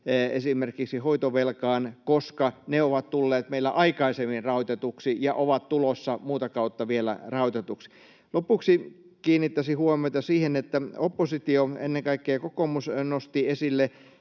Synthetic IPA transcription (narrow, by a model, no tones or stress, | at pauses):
esimerkiksihoit̪oʋelkɑːnkoskɑneoʋɑt̪t̪ulːeːt̪meilːæʔɑikɑisemːinrɑut̪et̪uksijɑʔoʋɑt̪t̪ulosːɑmuːt̪ɑkɑut̪ːɑʋielæ̰rɑut̪et̪uksi̥ | lopːuksi | kiːnːit̪ːæsihuomioit̪ɑsiːhenet̪ːæopːosit̪ioḛnːeŋkɑikːeːkokomusnost̪iesilːe